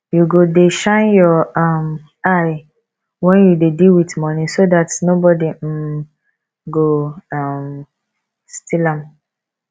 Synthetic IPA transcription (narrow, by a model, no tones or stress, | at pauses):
juɡodeʃãɪ̃njɔãm | aɪ | wɛ̃njudediwitmɔnĩsoðatnobɔdi | ɡoam | stʰilãm